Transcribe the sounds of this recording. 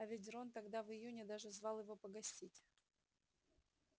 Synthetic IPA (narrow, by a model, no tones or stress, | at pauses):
ɐvʲɪt̬ʲront̪ɐɡd̪avɨjunʲɪd̪aʐɨzvɑlˠjɪvo̞pəɡɐsʲtʲitʲ